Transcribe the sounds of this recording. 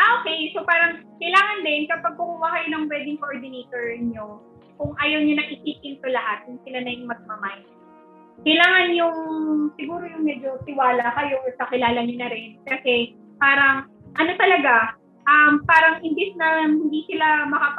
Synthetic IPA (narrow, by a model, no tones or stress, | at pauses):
ʔaʔokɛjso̞paːɾɐŋkɐjlaːŋɐnd̪ɪnkɐpɐɡ̚pʊkuːhɐkɐjonɐŋwɛːd̪ɪŋkoʔoɹd̪ɪnet̪oɹɲo | kʊŋʔajɐwɲonɐŋʔɪkiːpɪnt̪olɐɦat̪̚jʊŋsɪlanɐjʊŋmɐɡ̚mɐmaj | kɐjlaːŋɐnjʊŋsɪɡuːɾo̞jʊŋmɛd͡ʒo̞t̪ɪwaːlɐakɐjo̞ʔsɐkɪlaːlɐɲonɐɾɪnkɐsɛ | paːɾɐŋ | ʔɐno̞t̪ɐlɐɡa | ʔɐmpaːɾɐŋʔɪnb̪ɪsnɐhɪnd̪iːsɪlamɐkap